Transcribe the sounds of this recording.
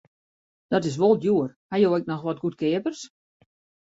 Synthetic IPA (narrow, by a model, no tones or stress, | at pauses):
d̥ɔtɪs̬ʋolˠtjuərhajowɛk̚nɔxʋɔt̚ɡut̚kɪːəpərs